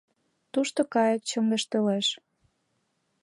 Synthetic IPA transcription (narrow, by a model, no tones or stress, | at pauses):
t̪uʃt̪okɑjek̚t͡ɕoŋɡeʃt̪ɤleʃ